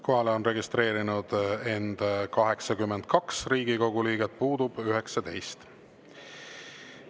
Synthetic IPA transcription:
ko̞ɦɑleo̞nre̞ɡist̪ɾe̞ːɾinud̪̥e̞nd̪̥kɑɦe̞ksɑkymːend̪̥̚kɑksriːɡiko̞ɡuliːɡet̪̚ˑpuːd̪̥ub̥yɦe̞ksɑt̪e̞jst̪

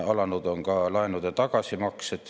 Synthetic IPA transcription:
ɑlɑnut̪oŋkɑːlɑinut̪jɑt̪ɑkɑsimɑkset̪

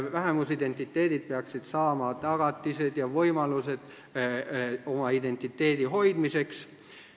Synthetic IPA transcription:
væɦemusid̪e̞nt̪ːˑit̪ːe̞ːd̪id̪̥̚peɑksid̪̥sɑːmɑt̪ɑɡ̥ɑt̪ːˑise̞d̪̥jɑvɤjmɑluse̞d̪̥ | o̞mɑid̪e̞nt̪ːˑit̪ːe̞ːd̪̥iɦo̞jd̪̥mise̞ks

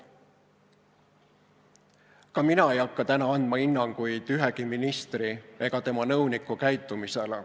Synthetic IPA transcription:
kɑminɑe̞jɑkːɑt̪ænɑɑnd̪̥mɑinːɑŋɡ̥ujd̪̥yɦeɡiminist̪rie̞ɡ̥ɑt̪e̞mɑnɤwnikːukæjt̪ːˑumiselḛ

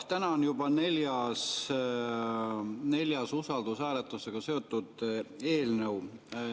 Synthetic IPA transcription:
t̪ænɑonjubɑne̞ljɑs | ne̞ljɑsusɑld̪usæːlet̪luse̞ɡ̥ɑse̞o̞t̪ːˑud̪̥e̞ːlnəw

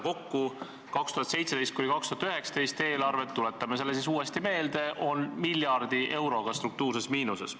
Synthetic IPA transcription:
ko̞kːu | kɑkst̪uhɑt̪se̞jt̪sed̪e̞jst̪kunikɑkst̪uhɑt̪yɦe̞ksɑ̥t̪e̞jst̪e̞ːlɑrve̞t̪ːule̞t̪ˑːɑmes̬e̞lːesis̬uːe̞st̪ime̞ːld̪e̞ʔo̞nmilʲjɑrd̪̥iʔe̞wɾo̞ɡ̥ɑst̪ɾuk̚t̪uːrsesmiːnuse̞s

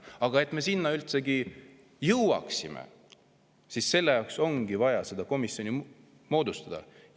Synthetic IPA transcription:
ɑɡ̥ɑe̞t̪ˑme̞sinːɑylt̪se̞ɡi | jɤwwɑ̰ksimḛ | sisːe̞lːe̞jɑwkso̞ŋɡ̥ivɑjɑse̞d̪̥ɑko̞misːjo̞nʲi | mo̞ːd̪ust̪ɑd̪̥ɑ̰

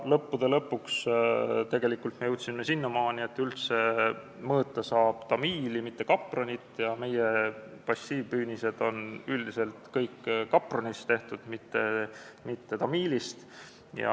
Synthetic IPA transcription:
lɤpːud̪̥e̞lɤpːˑukst̪e̞ɡe̞likːˑult̪mejuwt̪ʲsimːesinːɑmɑːnie̞t̪ːˑylt̪se̞ | mɤːt̪ːˑɑsɑːb̥t̪ɑmiːlimit̪ːe̞kɑpːˑronit̪ːˑjɑme̞jepɑsʲːiːbyːnise̞d̪̥o̞nyld̪ise̞lt̪kɤjkːkːɑpːˑronist̪e̞ht̪ud̪̥mit̪ːe̞mit̪ːe̞t̪ɑmiːlist̪ | jɑ̰

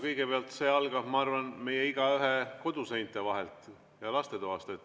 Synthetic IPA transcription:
kɤjɡe̞peɑlt̪se̞ːɑlɡ̥ɑbmɑɑrvɑnme̞jeiɡ̥ɑyɦeko̞d̪̥usejnt̪ːˑe̞vɑɦe̞lt̪ˑ | jɑlɑst̪e̞t̪oɑst̪et̪ː

